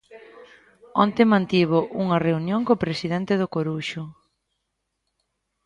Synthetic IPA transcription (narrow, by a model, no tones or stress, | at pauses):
ɔnt̪emãnt̪iβoʔuŋɐreunjõŋkopɾesiðɛnt̪eðʊkoɾuʃʊ